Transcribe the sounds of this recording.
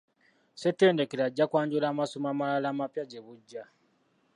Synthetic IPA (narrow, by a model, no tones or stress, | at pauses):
setːe̞ːndekeɾaɟːakwaːɲɟulaːmasomaːmalalaːmapjaɟeβuɟːa